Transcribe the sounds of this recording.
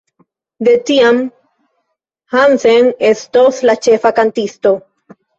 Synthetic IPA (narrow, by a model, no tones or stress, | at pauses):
d̪e̞tiam | hansenestoslat͡ʃe̞fakantisto̞